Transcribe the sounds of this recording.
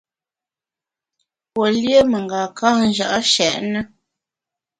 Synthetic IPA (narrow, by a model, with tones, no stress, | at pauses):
pwo˨ljə˦mə˨ŋɡa˨ka˦n̩˦ʒa˨ʔa˦ʃɛ˨ʔnə˦